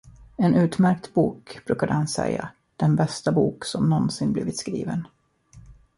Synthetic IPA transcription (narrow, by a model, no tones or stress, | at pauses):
ɛnʉ̟ːt̪mæɾk̚t̪buːkb̥ɾʉ̟ːkad̪əhansɛ̰jːa̰ | d̪̥ɛnbɛst̪abuːksɔmnɔnsɪnbliːvɪt̪skɾiːvən